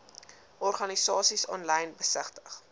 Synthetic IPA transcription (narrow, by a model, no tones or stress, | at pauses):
ɔrχɐnisɑːsisɔnlɐjnbəsəχtə̥χ